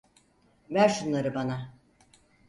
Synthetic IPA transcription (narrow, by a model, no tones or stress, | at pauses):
væɾʃunlˠaɾɯbana